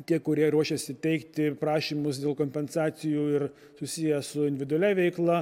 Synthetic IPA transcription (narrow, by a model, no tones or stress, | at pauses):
t̪ʲiɛkʊɾʲiɛɾuɔʃʲɛsʲɪt̪ʲɛɪkt̪ʲɪpɾɑːʃʲiːmʊsd̪ʲeːlˠkoːmʲpʲɛnsɑːsʲɪjuːɪr | sʊsʲijɛsʊɪnʲdʲʋʲɪd̪ʊɔlʲæʋʲɛɪklˠɐ